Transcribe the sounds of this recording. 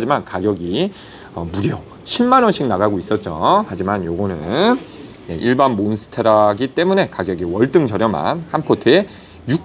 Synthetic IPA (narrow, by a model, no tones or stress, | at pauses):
d͡ʑimankaɡjʌɡi | ʌmuɾjʌ | ɕʰimːanʌnɕʰik̚naɣaɡois͈ʌt̚t͡ɕ͈o̰had͡ʑimanjoɡʌnɯn | jḛʔiɭbanmonsʰɯ̥tʰeɾaɡit͈e̞mune̞kaɡjʌɡiwʌɭt͈ɯŋt͡ɕʌɾjʌma̰nhanpʰotʰɯe | juk̚